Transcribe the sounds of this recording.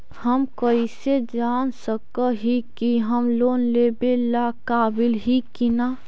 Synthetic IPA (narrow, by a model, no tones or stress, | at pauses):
həmkəised͡ʒaːnsəkəɦikiɦəmloːnleːbelakaːbɪlɦikinaː